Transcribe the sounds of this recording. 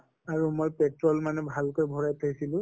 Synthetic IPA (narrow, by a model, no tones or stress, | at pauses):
aɹumojpɛtɹɔlmanɛbʱalkojbʱɔɹajtʰajsilʊ̃